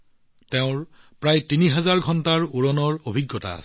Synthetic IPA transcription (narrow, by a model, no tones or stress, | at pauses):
teʊ̃ɹ | pɹajtiniɦɛzaɹɡʱɔntaɹuɹɔnɔɹobʱiɡːɔta̰ːsɛ̥